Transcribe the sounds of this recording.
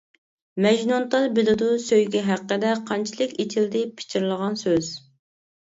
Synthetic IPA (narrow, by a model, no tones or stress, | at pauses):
mɛʒnont̪ɑlˠbɪlud̪usøjɡʲɛɦæqːəd̪ɛqʰɑnt͡ʃʰilˠɪkʲet͡ʃ̪ʰild̪ɪpʰɪ̥t͡ʃʰiɾlˠəʁɑnsøz̥